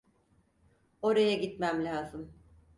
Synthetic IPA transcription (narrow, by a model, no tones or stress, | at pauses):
o̞ɾajaɟit̪mæmlʲaːzɯm